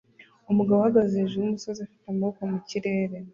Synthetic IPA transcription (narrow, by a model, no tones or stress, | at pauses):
umuɡaβwohaɡazeʒeumuso̞ziafi̥tamaβokomuciɾe̞ːɾe̞